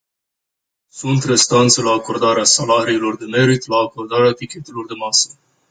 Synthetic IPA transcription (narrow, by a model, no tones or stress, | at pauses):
sunt̪re̞st̪ant̪selaːko̞rd̪aɾeasalaɾiːlo̞rd̪e̞me̞ɾit̪laːko̞rd̪aɾeat̪ikʲe̞t̪e̞lo̞rd̪e̞masə̥